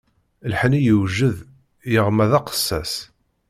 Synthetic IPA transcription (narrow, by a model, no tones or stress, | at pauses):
lħnijəwʒəð | jəʁmæðæqə̥sːæs